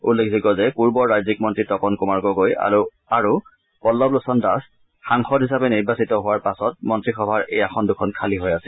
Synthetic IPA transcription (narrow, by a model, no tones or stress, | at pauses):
ulːekʰzikɔzɛpuɹbɔɹːajzikmɔntɹitɔkɔnkʊmaɹɡɔɡoja̰u | aɹu | pɔlːɔblʊsɔndas | xaŋxɔtɦisapɛniɹbasitɔɦʊwaɹpasɔt̚mɔntɹixɔbʱaɹejaxɔndʊkʰɔnkʰaliɦojasɛl